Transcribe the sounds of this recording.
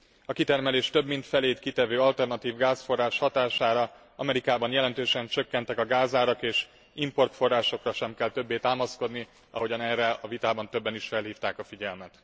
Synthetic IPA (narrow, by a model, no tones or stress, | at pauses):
ɒkit̪ɛrmɛleːʃt̪ø̞bmint̪fɛleːt̪kit̪ɛvøːɒlt̪ɛrnɒt̪iːvɡaːsfo̞rːaːʃhɒt̪aːʃaːɾɒ | ɒmɛɾikaːbɒnjɛlɛnt̪øːʃɛnt͡ʃø̞kːɛnt̪ɛkɒɡaːzaːɾɒkeːʃ | impo̞rt̪fo̞rːaːʃo̞krɒʃɛmkɛlt̪ø̞bːeːt̪aːmɒsko̞d̪ni | ɒ̰ɦo̞ɟɒnɛːrːɛɒvit̪aːbɒnt̪øbːɛniʃfɛlɦiːft̪aːkɒfiɟɛlmɛt̪